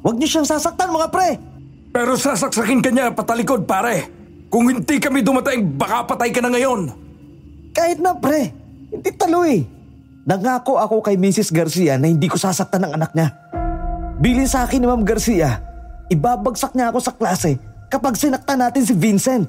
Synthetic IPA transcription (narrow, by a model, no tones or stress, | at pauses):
wɐɡ̚ɲoʃaŋsaːsɐk̚t̪anmɐŋapɾɛ | pɛːɾo̞sasɐk̚sɐkɪnkɐɲapɐt̪ɐlɪko̞d̪̚paːɾɛ | kʊŋhɪnd̪ikɐmɪd̪ʊmɐt̪ɪŋbɐkapɐt̪ajkɐnaŋɐjo̞n | kaːhɪt̪̚nɐpɾɛ | hɪnd̪it̪ɐlojɛ | nɐŋaːko̞ʔɐko̞kɐjmiːsɪsɡɐɾsiːʔɐnɐhɪnd̪iːko̞saːsɐk̚t̪anɐŋʔɐnak̚ɲa | biːlɪnsɐʔaːkɪnɪmamɡɐɾsiːʔɐʔɪbaːbɐɡsɐk̚ɲaʔɐko̞sɐklaːsɛkɐpaɡ̚sɪnɐk̚t̪anaːt̪ɪns̬ɪvinsɛnt̪̚